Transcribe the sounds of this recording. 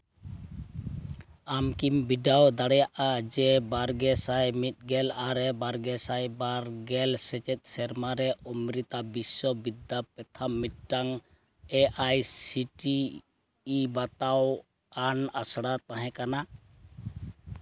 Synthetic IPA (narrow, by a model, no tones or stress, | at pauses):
amkimbiɖawd̪aɽɛjaʔad͡ʒɛbaɾɡɛsajmit̪̚ˀɡɛlaɾɛbaɾɡɛsajbaɾɡɛlsɛt͡ʃɛt̪̚ˀsɛɾmaɾɛumɾit̪abisɔbid̪apɛt̪ʰamːit̪̚ʈaŋ | ɛʔajsiʈiː | bat̪aw | anasɽat̪ãɦɛ̃kana